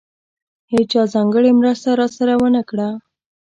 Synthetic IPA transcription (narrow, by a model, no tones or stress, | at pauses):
het͡ʃɑzɑŋɡəɽemɾəst̪aɾɑsaɾawənəkɽa